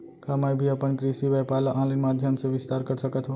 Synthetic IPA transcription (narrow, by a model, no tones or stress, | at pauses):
kamajbʱiəpənkɾisiʋapalaʔãlənmad̪ʱjəmsẽʋist̪aɾkəɾsəkət̪ʰɦo